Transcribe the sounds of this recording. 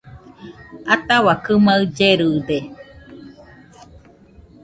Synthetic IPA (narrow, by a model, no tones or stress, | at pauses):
at̪aβakɨmaɯd͡ʒeɾɯd̪e